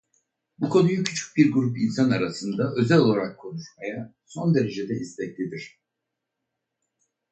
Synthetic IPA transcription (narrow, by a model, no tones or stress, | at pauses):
bukʰo̞nujucʰy̥t͡ʃʰy̥c̚biɾɡuɾupinsanaɾasɯnd̪aʔø̞zɛlʲo̞lˠaɾakʰːo̞nuʃmaja | so̞nd̪e̞ɾe̞d͡ʒed̪ɛizlʲɛc̚lʲid̪iɾ̝̥